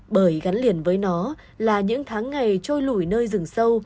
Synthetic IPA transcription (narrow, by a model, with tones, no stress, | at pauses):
ɓəː˧˩jɣa˨˦nli˧˩ənvəː˨˦jnɔ˨˦ | laː˨˩ɲɨ̰˧˥ŋt̪ʰaː˨˦ŋːa˨˩jt͡ɕo˧jlu˧˩jnəː˧jzɨ˨˩ŋsə˧w